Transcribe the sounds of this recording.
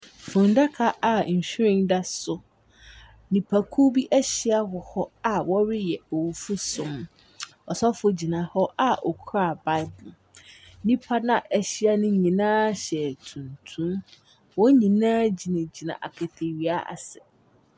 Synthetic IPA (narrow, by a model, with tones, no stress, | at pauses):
fʊ̃˨nda˦kʰa˦ʔa˨ɲ̩˨ɕᶣɾɪ̃˦nda˦sʊ˨ | nĩ˨pʰa˨kʰu˦bi˦ʔæ˦ɕi˦a˦hɔ˨hɔ˦a˨wɔ˦ɾɪ˦jɛ˨o˨wu˨fu˦sʊ̃˨m | ɔ˨sɔ˦fʊ˦d͡ʑi˨nã˨hɔ˦ʔa˨ʔɔ˨kʰɾa˦˨ba˦ɪ˦bʊ˨˦ | nĩ˦pʰa˦nã˨ʔɛ˦ɕi˦a˦nʊ̃˦ɲĩ˨nãː˦ɕɛ˨tʰũ˨ntʰũ˦m | wɔ˦ɲĩ˨nãː˦d͡ʑi˨nã˨d͡ʑi˨nã̰˨ʔa̰˨kʰɛ˨tʰe˨ɥi˨a˦ʔa̰˨sɛ̥˨